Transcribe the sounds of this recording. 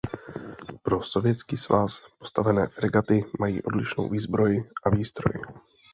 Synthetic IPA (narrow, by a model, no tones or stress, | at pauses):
pɾo̞so̞vjɛt̪t͡skiːsvaspo̞st̪avɛnɛːfɾɪɡat̪ɪmajḭːʔo̞dlɪʃno̰wviːzbɾo̞jɪʔaviːst̪ɾo̞̰jɪ̰